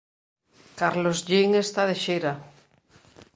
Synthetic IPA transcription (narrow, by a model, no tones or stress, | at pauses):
kaɾlozʎeŋest̪aðeʃeɾa